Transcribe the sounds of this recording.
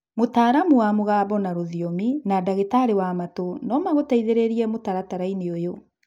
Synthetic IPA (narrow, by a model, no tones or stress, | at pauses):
motaːɾamuwamoɣabɔnaɾoðiominadaɣetaɾewamatonɔmaɣotaiðeɾeɾiɛmotaɾataɾaineojo